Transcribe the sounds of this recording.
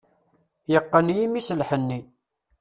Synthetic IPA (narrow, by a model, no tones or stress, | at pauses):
jəqːənjimisəlħənːi